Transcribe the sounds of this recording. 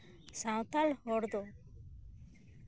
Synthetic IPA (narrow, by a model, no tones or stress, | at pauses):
sãwt̪alhɔɽd̪o